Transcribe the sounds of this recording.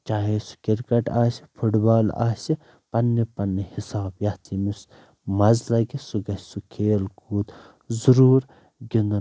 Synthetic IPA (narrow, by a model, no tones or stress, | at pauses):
t͡ʃaːɦesu̥kiɾkɐʈaːsi̥pʰuʈbaːla̰ːsi | pɐnːipɐnːihisaːbjɐht̪ʰimis | mɐzlɐɡisuɡɐssukʰeːlkuːd̪ | zuɾuːɾ | ɡinɐ